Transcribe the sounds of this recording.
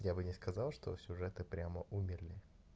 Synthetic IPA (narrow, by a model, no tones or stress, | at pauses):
jabɨnʲɪskɐzalˠʂt̪o̰sʲʊʐɛt̪ɨpɾʲaməʔumʲɪrlʲɪ